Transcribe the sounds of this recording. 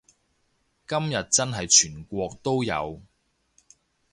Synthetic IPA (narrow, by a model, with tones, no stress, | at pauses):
kɐ˥mjɐ˨t̚t͡sɐ˥nɦɐ˨jt͡ʃʰyː˨˩nkʷɔː˧k̚t̪o˥wjɐ̰˨˧w